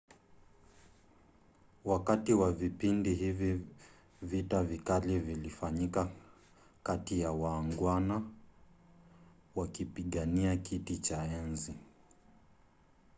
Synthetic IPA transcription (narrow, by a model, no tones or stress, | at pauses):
wakatiwavipindiɦivi | vitavikalivilifaɲika | katijawaːŋɡwana | wakipiɠaniakitit͡ʃaɛnzi